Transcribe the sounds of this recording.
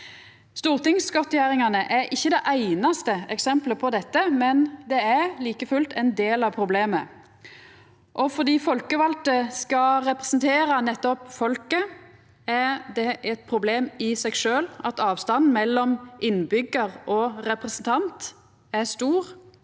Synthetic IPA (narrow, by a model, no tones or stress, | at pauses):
st̪uːʁt̪ɪŋskɔt̪jæʁɪŋɑnəʔæɾʔɪçːəd̪ɛʔæɪnɑst̪əɛksɛmpləpʰɔd̪ɛt̪ːəmɛnd̪ɛæɾliːkəfʉlt̪ʰɛnd̪eːlɑʋpʰɾʊbleːmə | ʔɔfɔd̪iːfɔlkəʋɑlt̪əskɑɾɛpɾɛsnt̪ʰeːɾɑnɛt̪ːɔpfɔlkə | æɾd̪ɛʔɛt̪̚pʰɾʊbleːmɪsæɛɡʂøːlɑt̪ɑːʋst̪ɑnmɛlːɔmʔɪnbʏɡəʁʔɔʁɛpʁɛsənt̪ʰɑnt̪ | æst̪uːʁ